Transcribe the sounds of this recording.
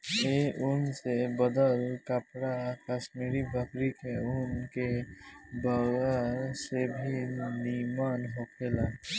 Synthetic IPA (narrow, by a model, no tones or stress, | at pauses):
eʔʊnsebəd̪əlkəpɽakaːʃmiːɾibʱəkɾikeʊnke | bəɡasebʱinimaːnɦokʰeːla